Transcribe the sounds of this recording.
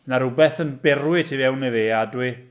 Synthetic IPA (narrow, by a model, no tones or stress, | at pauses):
naɾʊbɛθənbɛrwɪtʰivɛwniðeːadwɪ